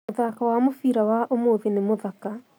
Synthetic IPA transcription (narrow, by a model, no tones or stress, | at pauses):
oðakawamofiɾawaʔomoːðenemoðaka